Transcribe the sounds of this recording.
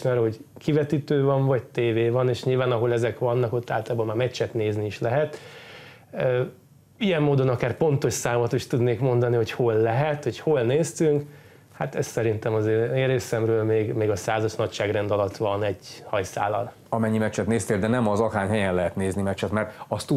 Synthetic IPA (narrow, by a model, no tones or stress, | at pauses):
nɛɾɦo̞ɟkivɛt̪it̪øːvɒɱvɒct̪eːveːvɒneːʃɲiːlvaːnɒɦo̞lɛzɛkʋɒnːɒko̞t̪ːa̰ːlt̪ɒlːbomaːmɛt͡ʃːɛt̪neːzniiʃlɛɦɛt̪ | ø | ijɛmːoːd̪o̞nɒkaːrpo̞nt̪o̞ʃsaːmɒt̪iʃt̪ud̪neːkmo̞nd̪ɒniho̞cho̞lːɛɦɛt̪ho̞cho̞lneːst̪yŋk | hat̪ɛst̪sɛɾint̪ɛmɒzeːneːɾeːsɛmrøːlmeːɡmeːɡɒsaːzɒʃnɒcʃaːɡrɛnd̪ɒlɒt̪ʋɒnɛɟhɒjsa̰ːlɒ̰l | ɒmɛɲːimɛt͡ʃːɛt̪neːst̪eːld̪ɛnɛmɒzɒkaːɲɦɛjɛnlɛɦɛt̪neːznimɛt͡ʃːɛt̪mɛrt̪ɒst̪u